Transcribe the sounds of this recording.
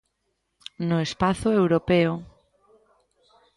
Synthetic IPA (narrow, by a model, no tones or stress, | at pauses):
noespaθoewɾopeo